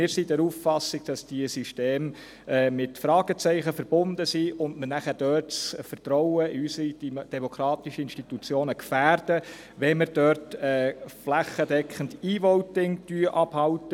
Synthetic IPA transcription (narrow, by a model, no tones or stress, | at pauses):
mɪːɾsid̥ɛɾuːffɑsːiɡ̥̚d̥ɑsd̥iəsyʃteːm | ɛːmɪtfɾɑːɡ̥ət͡sɛɪχəfəɾb̥ʊnd̪əsiʊndmənæχæd̥œːrtsfərtɾɔʊəɪysəɾid̥ɛmokʰɾɑːt̪iʃəɪnʃtit̪ut͡sjoːnəkfæːrd̥ə | ʋɛmɪɾd̥œɾtɛːflæχədɛkʰχənd̥iːʋɔʊtɪŋd̥yəʔɑb̥hɑwtə